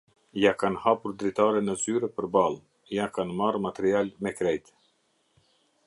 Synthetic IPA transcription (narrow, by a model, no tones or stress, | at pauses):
jakanhapuɾd̪ɾit̪aɾɛnəzyɾɛpəɾbalˠ | jakanmarmat̪ɛɾialmɛkɾɛjt̪